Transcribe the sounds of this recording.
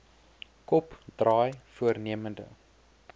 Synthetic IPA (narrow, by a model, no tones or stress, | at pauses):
kɔpdrɑːjfuərniəməndə̰